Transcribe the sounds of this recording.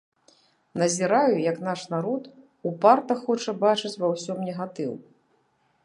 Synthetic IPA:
nɐzʲiɾajujɐknaʂnaɾɔt̪ | upart̪ɐxɔt͡ʂɐbat͡ʂɨt͡sʲvawsʲɔmnʲɛɣat̪ɨw

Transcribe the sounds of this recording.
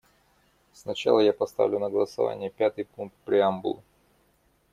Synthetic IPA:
snɐt͡ɕa̰lˠəjapɐst̪a̰vlʲʊnəɡəlˠəsɐva̰nʲɪjəpʲat̪ɨjpuŋk̚t̪̚pɾʲɪambʊlˠʊ

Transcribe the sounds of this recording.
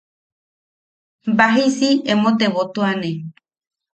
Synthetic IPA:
mbaɦisiẽmõt̪eβot̪uanẽ

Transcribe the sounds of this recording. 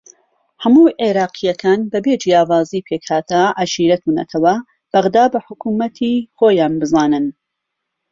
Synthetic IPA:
hɐmuːʔeɾɑːqʰijɐkʰaːnbɐbed͡ʒijaːwaːziːpʰeːkhaːt̪ʰɐʔaʃiːɾɐt̪ʰunɐ̰t̪ʰɐwɐ | b̥ɐɣd̪aːbɐħʊkuːmɐt̪ʰiχoːjaːnbɨzaːnɨn

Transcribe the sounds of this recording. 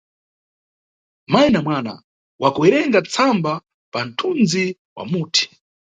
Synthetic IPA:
majnamwaːna̰ | wʔakuɛɾɛŋɡat͡sʰamba | pan̩tʰund͡zi | wa̰muːtʰi̥

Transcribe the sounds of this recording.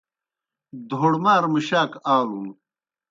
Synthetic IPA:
d̪ʱoɽmaːɾmiɕaːkaːlun

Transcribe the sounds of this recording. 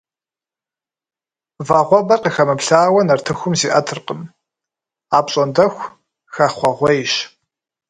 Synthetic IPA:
vaʁʷɔbɐrqixɐmɨpɬaːwɐnɐrtʰɨxʷʊmziːʔɐtʰɨrqəm | aːpɕʼɔndɐxʷ | xɐχʷɔʁʷɔjɕ

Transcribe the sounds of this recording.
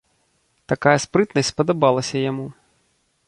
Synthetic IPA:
t̪akajɐspɾɨt̪nɐsʲsʲpɐd̪abalˠɐsʲɐjamu

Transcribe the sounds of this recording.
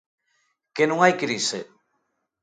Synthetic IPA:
kenũŋajkɾise

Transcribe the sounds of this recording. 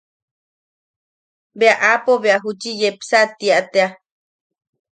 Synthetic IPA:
beaʔapoβeaɦut͡ʃijepsat̪iaʔt̪ea

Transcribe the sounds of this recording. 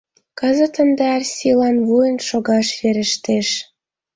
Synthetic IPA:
kəzə̆t̪ə̆nd̪ɑrʲsʲilɑnβujə̆nʃoɣɑʃβeɾə̆ʃt̪eʃ

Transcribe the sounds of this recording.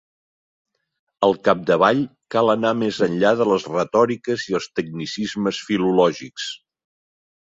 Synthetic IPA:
əlˠkap̚d̪əβ̞aʎkalˠənamezənʎaðələzrət̪ɔɾikəziəlˠst̪əɡ̚nisizməsfilulɔʒiks

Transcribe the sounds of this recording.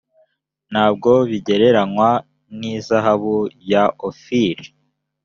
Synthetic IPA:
n̥haːb̚ɡo̞βiɟe̞ɾe̞ɾanwa | nizaɦaβujaʔofiɾi

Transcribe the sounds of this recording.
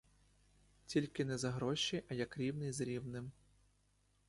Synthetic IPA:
tʲilʲkɪnɛzɐɦɾɔʃiʔɐjɐkɾʲiwnɪjzɾʲiwnɪm

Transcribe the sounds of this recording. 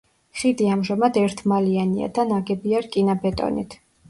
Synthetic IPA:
χid̪iamʒamad̪ɛɾt̪ʰmaliania̰d̪anaɡɛbiaɾkʼinabɛt̪ʼɔ̰nḭt̪ʰ

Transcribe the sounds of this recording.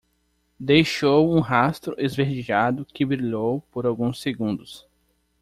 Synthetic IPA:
d̪ejʃowũɦast̪ɾʊʔezveɾd͡ʒiʒad̪ʊkɪbɾiʎowpoɾawɡũseɡũnd̪ʊs

